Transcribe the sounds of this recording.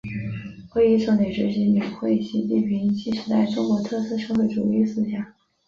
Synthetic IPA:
xwe˥˧i˥ʂo˧˥ʊne˨˩ɪʈ͡ʂɻ̩˥ɕi˧˥i˧˩˧xwe˥˩ɪ˨˩ɕi˧˥t͡ɕi˥˩pʰi˧˥ŋt͡ɕi˥˩ʂɻ̩˧˥t̪a˥˩ɪʈ͡ʂʊ˥ŋkwɔ˧˥t̪ʰɤ˥˧sɹ̩˥ʂɤ˥˧xwe˥˩ʈ͡ʂṵ˨˩li˥˧sɹ̩˥ɕjɑ˨˩˦ŋ

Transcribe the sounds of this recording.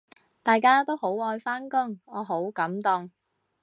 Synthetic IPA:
t̪aː˨jkaː˥t̪o˥who˨˥wɔː˧jfaː˥nkʊ˥ŋɔː˨˧ɦo˨˥wkɐ˨˥mt̪ʊ˨ŋ

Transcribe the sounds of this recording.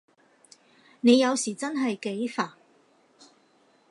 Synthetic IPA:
ne˨˧jɐ˨˧wsiː˨˩t͡sɐ˥nɦɐ˨jke˨˥jfaː˨˩ŋ

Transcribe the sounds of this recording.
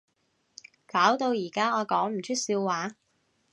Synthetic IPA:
kaː˨˥wt̪o˧wjiː˨˩kaː˥ɔː˨˧kɔː˨˥ŋm̩˨˩t͡ʃʰɵ˥t̚siː˧wːaː˨˥

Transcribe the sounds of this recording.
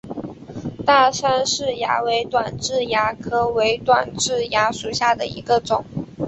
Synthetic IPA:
t̪a˥˩ʂa˥nʂɻ̩˥˩ja̰˧˥we˧˥ɪt̪wa˨˩nʈ͡ʂɻ̩˥˩ja˧˥kʰɤ˥we˧˥ɪt̪wa˨˩nʈ͡ʂɻ̩˥˩ja˧˥ʂu˨˩ɕja˥˩d̪ə˩ḭ˧˥ɡə˧ʈ͡ʂʊ˨˩˦ŋ

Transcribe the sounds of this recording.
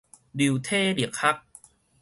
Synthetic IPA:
di˨˩wt̪ʰeː˥˩di˨˩əkʰa˦˥k̚

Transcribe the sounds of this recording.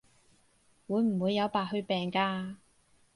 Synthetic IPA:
wuː˨˧jm̩˨˩wuː˨˧jːɐ˨˧wpaː˨˩hɵ˧ɥpɛː˨˩ŋkaː˧

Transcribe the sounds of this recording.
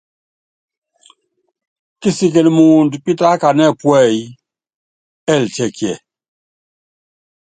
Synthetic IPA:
ki˦si˨k̬e˨lmu˨ndpi˦ta˦ka˨nɛ˦˨pwɛ˦˨j | ɛ˦˨ltɛ˦˨kjɛ˨

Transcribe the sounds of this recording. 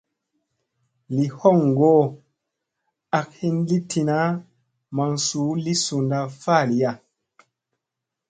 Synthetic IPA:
li˨hɔ˦˨ŋ˨ɡoː˦ | a˨k̚hi˦nli˦tʰi˨na˦ | ma˨ŋsuː˨˦li˦su˨nda˨faː˦˨li˨ja˨

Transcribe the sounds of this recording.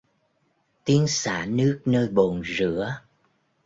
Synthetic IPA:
t̪i˨˦ənsa̰ː˧˩nɨ˦˥ək̚nəː˧jɓo˨˩nzɨ̰˧˥ə

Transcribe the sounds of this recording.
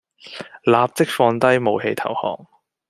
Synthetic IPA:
laː˨˧p̚t͡sɪ˥k̚fɔː˧nt̪ɐ˥jmo˨˧whe˧jt̪ʰɐ̰˨˩whɔ̰ː˨˩ŋ

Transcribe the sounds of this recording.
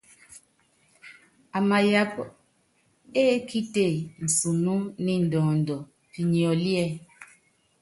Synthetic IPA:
a˨ma˨ja˨˦p | e˦kʰi˦te˦˨n̩˨su˨nu˦ni˦n̩˨dɔ̃ː˨n˨dɔ˨ | pi˨ɲi˨ɔ˨li˦ɛ˦

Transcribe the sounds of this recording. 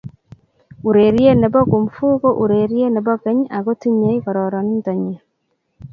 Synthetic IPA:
u˨ɾe˨ɾje˦ne˨bɔ˦ku˨mfu˦ɣo˦ʔu˨ɾe˨ɾje˦ne˨bɔ˦kɛ˦ɲa˨ɣo˦ti˦ɲe˨˦i˦kɔ˨ɾɔ˨ɾɔ˨ni˦ntɔ˨ɲe˨

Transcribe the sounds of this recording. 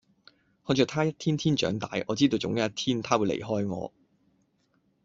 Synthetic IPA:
hɔː˨˧t͡ʃœː˨˧k̚t̪ʰaː˥jɐ˥t̪̚ʰiː˥nt̪ʰiː˥nt͡ʃœ̰ː˨˥ŋt̪aː˨˧jʔɔː˨˧t͡siː˥t̪o˧wt͡sʊ̰˨˧˥ŋjɐ˥ɐ˥t̪ʰiː˥nt̪ʰaː˥wu˨˧jlḛ˨˩jɦɔː˥jŋɔ̰ː˨˧

